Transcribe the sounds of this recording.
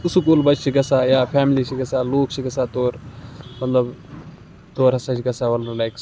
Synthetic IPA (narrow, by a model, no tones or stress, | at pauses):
ʊsukulbɐt͡ʃt͡ʃʰiɡɐsaːjaːpʰɛːmlit͡ʃʰiɡɐsaːloːkt͡ʃʰiɡɐsaːt̪oːɾmɐt̪lɐb | t̪oːɾɦɐsat͡ʃʰiɡɐsaːʋɐlɐɾlaːks